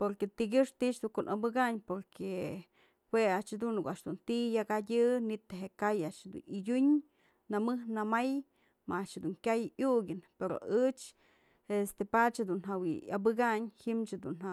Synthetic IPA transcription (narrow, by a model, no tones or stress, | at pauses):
poɾket̪iɡɨʂt̪iʔt͡ʃd̪ukonʔabɨɡaɲpoɾke | weaʔt͡ʃhad̪unɡoʔaʔʃd̪unt̪ijaɡadʲɨnit̪eɦekajaʔʂhd̪ṵnijʲuɲ | namɨhnamaj | maaʔt͡ʃhad̪uŋkʲajjuɡʲɨnpeɾo̰ɨt͡ʃ | est̪epat͡ʃhad̪unhawḭabɨɡaɲhimt͡ʃhad̪unha